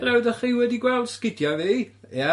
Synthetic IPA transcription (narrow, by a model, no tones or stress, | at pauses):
lɛwðəχiːwɛdiɡwɛlˠd̥skɪdjaviːjɛ